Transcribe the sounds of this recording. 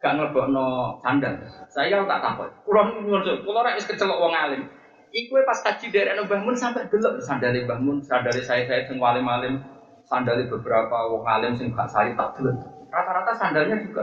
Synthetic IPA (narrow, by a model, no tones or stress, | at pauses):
ɡ̥aʔŋələb̥ɔʔnɔsandalsajaut̪a̰ʔkampɔ̰uɾɔhniɔnsɔt̪ulɔɾaʔwɪskət͡ʃəlɔʔwɔŋalɪm | ikuepaskḁd͡ʒ̥i̤d̥aɾanobaɦmʊnsampɛʔɡ̥ələʔsandalibahmʊnsandalisajasajasɪŋwalɪmalɪm | sandalib̥ə̤b̥əɾapawɔŋalɪmsɪŋɡa̰ʔsa̰lit̪ad̪̥ələn | rat̪aɾat̪asandalɲad͡ʒuɡ̥a